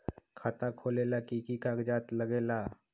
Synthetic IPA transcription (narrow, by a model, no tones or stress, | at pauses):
kʰaːt̪akʰoːlelakikikaɡd͡ʒaːt̪ləɡeːlaː